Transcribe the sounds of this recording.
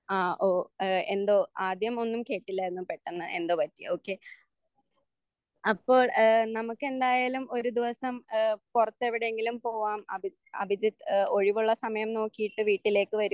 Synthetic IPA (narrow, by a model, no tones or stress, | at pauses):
aːʔoːe̞nd̪o̞ːaːd̪ʱjɐmo̞nːumke̞ːʈːilːɐenːɨpe̞ʈːenːɨʔe̞nd̪o̞ːpɐtːio̞ːkːe̞ | ɐpːo̞ːɭnɐmukːe̞nd̪aːjaːlumo̞ɾud̪iʋɐsɐmpurɐt̪ːeʋiɽeeŋɡilumpo̞ːʋaːmɐ̰bʱi | ɐ̰bʱid͡ʑit̪o̞ɻiʋuɭːɐsɐmɐjɐmno̞ːkːijiʈːɨʋiːʈːile̞ːkːɨʋɐɾu